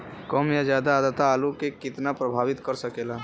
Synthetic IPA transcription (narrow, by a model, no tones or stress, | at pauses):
kɔmjad͡ʒjaːd̪aːd̪ət̪aːlukekɪt̪napɾəbʱaːʋit̪kəɾsəkeːla